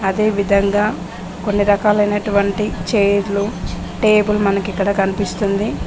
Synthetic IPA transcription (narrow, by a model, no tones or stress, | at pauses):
ɐd̪e̞ːʋid̪ʱɐŋɡaː | ko̞nːiɾɐkaːlɐjnɐʈuʋɐɳʈit͡ʃejɾlu | ʈe̞ːbulmɐnɐkikːɐɽɐkɐnipist̪und̪i